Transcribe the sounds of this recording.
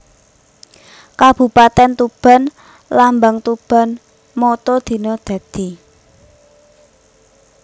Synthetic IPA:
kab̥ṳpat̪ɛnt̪ub̥a̤n | lambaŋt̪ub̥a̤n | mɔt̪ɔd̪̥i̤nɔd̪̥ä̤d̪̥i̤

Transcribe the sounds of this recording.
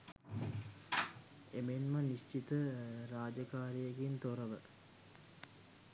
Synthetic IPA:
emenmənist͡ʃit̪əɾaːd͡ʒɐkaːɾijəɡint̪oɾəʋə

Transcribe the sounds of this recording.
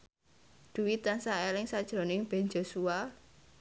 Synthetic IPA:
d̪̥ṳwit̪ansaelɪŋsad̥ʒ̥ɾo̤nɪŋb̥ɛ̤nd͡ʒosua

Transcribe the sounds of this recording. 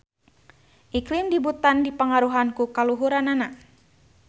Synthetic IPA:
ʔiklimdibut̪andipəŋaɾuɦankukaluɦuɾanana

